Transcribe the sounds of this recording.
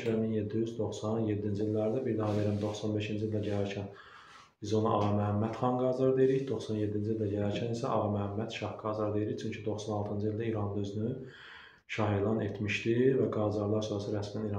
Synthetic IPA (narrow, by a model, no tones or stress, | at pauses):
ɾæminjed̪ːijyzd̪o̞xsɑnjed̪ːind͡ʒiilʲːæɾd̪æbiɾd̪ɑhɑd̪ejɾæmd̪o̞xsɑnbe̞ʃind͡ʒilʲd̪æɟælæɾcʰæn | b̥izo̞nɑ̰ʔɑ̰ɣɑmæɦæmːæt̪χɑnɡɑzɑɾd̪ejɾiçd̪o̞xsɑnje̞d̪ːind͡ʒilʲd̪æɟælæɾcʰænisæʔɑ̰ɣɑmæɦæmːæt̪ʃɑhɡɑːzɑɾd̪ejɾiçt͡ʃʰyɲcʰid̪o̞xsɑnɑlˠt̪ʰɯnd͡ʒɯild̪æiɾɑnd̪øzyny | ʃɑɦilˠɑnet̪ʰmiʃt̪ivæɡɑːzɑɾlˠɑɾsʰoːɾɑsɯɾæsmæniɾɑ